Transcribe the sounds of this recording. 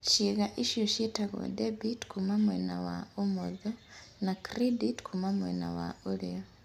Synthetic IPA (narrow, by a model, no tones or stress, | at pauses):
ʃiɣaʔiʃjoʃjetaɣo̰debitkʰumamwenawa̰omoða | nakɾeditkʰumamwḛna̰wa̰olija